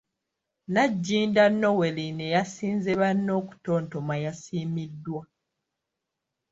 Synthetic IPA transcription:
naɟːiːndanːo̞we̞line̞jasiːnzeβanːo̞ːku̥to̞ːnto̞majasiːmidːwa

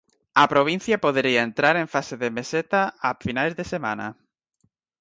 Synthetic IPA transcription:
ɐpɾoβ̞in̟θjɐpoðeɾiaent̪ɾaɾẽɱfaseðemeset̪aːfinajzðesemã̰na̰

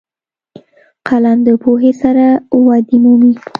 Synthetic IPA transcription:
qʰaland̪əpoɦesaɾawɑd̪imumi

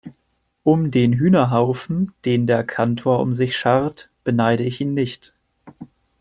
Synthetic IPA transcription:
ʔʊmdeːnɦyːnɐɦaʊfn̩d̥eːndeːɐkʰantʰoːɐʔʊ̰mzɪçʃaʁt | b̥ənaɪɾəɪçʔiːnːɪçt

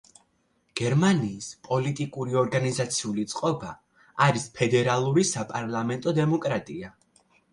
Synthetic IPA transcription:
ɡ̥ɛɾmaniːspʼɔlit̪ʼikʼuɾiɔɾɡanizat̪sʰiulit̪sʼqʼɔba | aɾispʰɛd̪ɛɾalˠuɾisapʼaɾlˠamɛnt̪ʼɔd̪ɛmɔkʼɾat̪ʼia

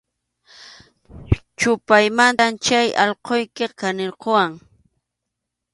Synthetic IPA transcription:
t͡ʃʊpajmant̪amt͡ʃajʔɑʎqojkɪkanɪɾqowaŋ

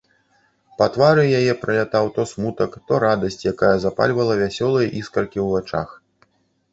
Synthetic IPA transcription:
pɐt̪vaɾɨjajɛpɾɐlʲat̪awt̪ɔsmut̪ɐkt̪ɔɾad̪ɐsʲt͡sʲjakajɐzapa̰lʲvɐlˠɐvʲasʲɔlˠɐjɐʔiskɐrkʲiwvat͡ʂa̰x

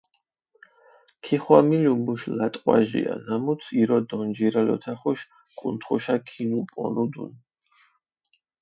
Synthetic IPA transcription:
kʰiχwamilumuʃlat̪ʼqʼwa̰ʒḭa̰namut̪ʰiɾɔd̪ɔnd͡ʒiɾalɔ̰t̪ʰaχuʃ | kʼunt̪ʰχuʃakʰinupʼɔ̰nud̪ṵn

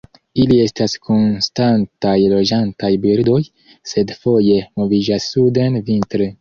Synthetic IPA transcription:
ilie̞staskʰo̞nstantajlo̞d͡ʒantajbiɾdo̞j | se̞dfo̞je̞mo̞vid͡ʒasːudenvintɾe

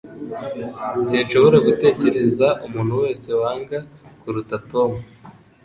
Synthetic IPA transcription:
sinʃo̞βo̞ɾaɡute̞ːce̞ɾe̞zaʔumuːn̥huwe̞ːse̞waːŋɡakuɾutato̞mu

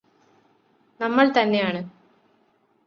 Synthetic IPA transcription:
nɐmːɐɭt̪ɐnːe̞jaːɳɨ

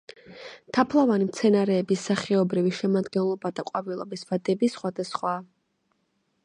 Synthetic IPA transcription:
t̪ʰapʰlˠavanimt̪sʰɛnaɾɛːbisːaχɛɔbɾiviʃɛmad̪ɡɛnlˠɔbad̪aqʼwavilˠɔbisvad̪ɛbisχwad̪asχwa

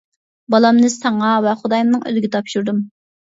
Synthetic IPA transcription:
bɑlˠɑmnɨsɑɴɑvɛχʊd̪ɑjmnɨŋø̰lɡʲɪt̪ʰɑpʃuɾd̪um

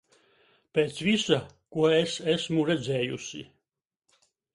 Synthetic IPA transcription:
peːt̪svisa | kuɔesæsmuɾɛd̪zɛːjusḭ

